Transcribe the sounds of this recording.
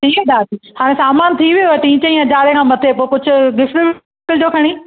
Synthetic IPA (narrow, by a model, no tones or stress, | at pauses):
ʈʰiːd̪aːt̪iːhaːɽ̃ẽsaːmaːnt̪ʰiʋijuʈĩːt͡ɕə̃ĩɦɐd͡ʑaːɾekʰãːmɐt̪ʰepoːekʊd͡ʑʱʊ̆ɡɪfʈɪb | kəld͡ʑoːkʰɐɽ̃iː